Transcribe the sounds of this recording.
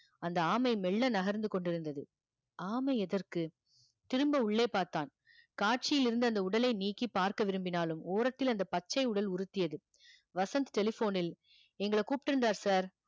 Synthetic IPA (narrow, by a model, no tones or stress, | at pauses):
ɐnd̪ɐaːmɐɪmɛɭːɐnɐɣɐɾnd̪ɯkɔɳɖɪɾɯnd̪ɐðɯ | ʔaːmɐɪɛðɐrkɯ | t̪ɪɾɯmbɐʊɭːeːpaːɾt̪aːn | kaːʈ̚t͡ʃɪjɪlɪɾɯnd̪ɯɐnd̪ɐʊɽɐlɐɪniːkːipːaːɾkɐʋɪɾɯmbɪnaːlɯmoːɾɐt̪ːɪlɐnd̪ɐpɐt͡ʃːɐɪʊɽɐlʊɾɯt̪ːɪjɐðɯ | ʋɐsɐnt̪ʈɛlɪfoːnɪl | ɛŋɡɐɭɐkuːpɪʈːɪɾɯnd̪aːɾsaːɾ